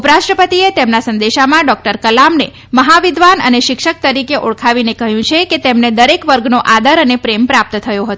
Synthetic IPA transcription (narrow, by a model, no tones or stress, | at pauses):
upɾaʃʈɾəpət̪iet̪emnasə̃nd̪eʃamãɖɔk̚ʈəɾkəlamne | məɦaʋɪd̪ʱʋanə̰neʃɪkʂək̚t̪əɾikeʔoɭkʰaʋinekəɦjũt͡ʃʰeket̪emned̪əɾekʋəɾɡnoʔad̪əɾənepɾempɾap̚t̪t̪ʰəjoɦət̪o